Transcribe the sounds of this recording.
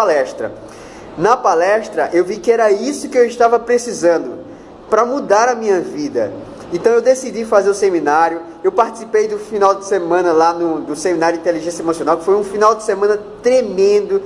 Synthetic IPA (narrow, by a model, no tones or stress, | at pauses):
alɛʃt̪ɾɐ̰ | nɐpalɛʃt̪ɾɐʔewvikɪɛɾɐisʊkɪewɪʃt̪avɐpɾesizɐ̃nd̪ʊ | pɾɐmud̪aɾɐmĩɲɐvid̪ɐ̰ | ẽnt̪ɐ̃w̃ewd̪esidifazeɾʊsemĩnaɾjʊ | ewpaɾt͡ʃi̥si̥pejd̪ʊfinawd̪ɪsemɐ̃nɐlanʊd̪ʊsẽmĩnaɾjdĩt̪eliʒẽsjɐemosiõnawkɪ̥fojũfinawd̪ɪsemɐ̃nɐt̪ɾemẽnd̪ʊ